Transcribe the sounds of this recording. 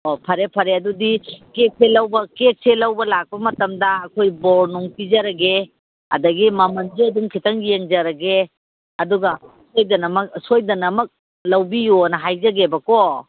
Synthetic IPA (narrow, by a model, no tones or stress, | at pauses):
opʰɐɾepʰɐɾeɐdudikek̚selɐwbɐkek̚selɐwbɐlak̚pɐmɐtɐmdɐːkʰojbɔɾnuŋpizɐɾɐɡe | ɐ̰dɐɡimɐmɐnziɐduŋkʰitɐŋjeŋzɐɾɐɡe | ɐduɡɐ | sojdɐnɐmɐk̚sojdɐnɐmɐk̚ | lɐwbijonɐɦajzɐɡebɐko